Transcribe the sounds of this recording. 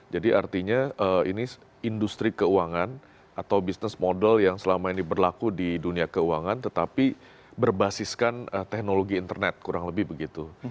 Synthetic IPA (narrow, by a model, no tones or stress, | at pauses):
d͡ʒadiʔart̪iɲaʔəḭni | indust̪ɾikəuaŋan | at̪awbisnəsmodɛljaŋsəlamainibərlakudiduniakəuaŋant̪ət̪api | bərbasiskanət̪ɛk̚noloɡiːnt̪ərnɛt̪̚kuɾaŋləbɪhbəɡit̪u